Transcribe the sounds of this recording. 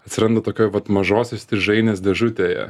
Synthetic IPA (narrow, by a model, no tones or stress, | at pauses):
ɐt̪sʲɪɾɐnd̪ɐt̪oːkʲoːjʋɐt̪mɐʒoːsʲoːsʲt̪ʲɪʒɐɪnʲeːsd̪ʲɛʒʊt̪ʲeːjɛ̰